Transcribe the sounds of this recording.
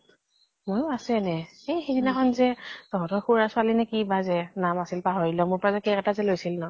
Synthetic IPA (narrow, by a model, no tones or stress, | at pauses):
mojasɛnɛ | ejxedinakʰɔnzɛtɔɦɔ̃tɔxuɹasʊalinɛkibazɛnamasilpaɦɔɹilɔmʊɹpɔɹazɛkɛkɛtazɛlojsilnɔ